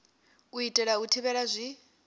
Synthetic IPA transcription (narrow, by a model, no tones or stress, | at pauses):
uitʼɛɺautʰiβɛɺazʷi